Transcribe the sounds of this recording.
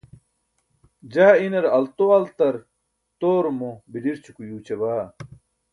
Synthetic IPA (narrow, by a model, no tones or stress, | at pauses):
d͡ʑaːinɐɾɐlt̪oɐlt̪ɐɾ | t̪oːɾmobidiɾt͡ɕʰukujuːt͡ɕɐbaː